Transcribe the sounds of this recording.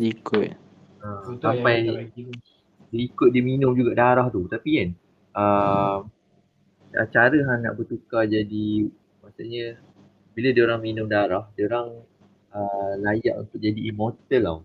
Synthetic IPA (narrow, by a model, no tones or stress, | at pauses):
ikʊt̪̚ | asapaj | diikʊt̪̚diminʊmd͡ʒuɡaʔdaɾaht̪ut̪apikan | ʔəm | a̰t͡ʃaɾəɦana̰ʔbət̪ukad͡ʒadi | maʔsuʔɲə̃ | bilədioɾaŋminʊmdaɾahdioɾaŋ | əlaja̰ʔṵnt̪ʊk̚d͡ʒadiːmot̪əla̰w